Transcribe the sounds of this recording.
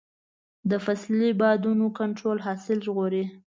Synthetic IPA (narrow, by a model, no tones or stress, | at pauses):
d̪əfaslibɑd̪unokaɳʈɾolɦɑsɪlʒɣoɾi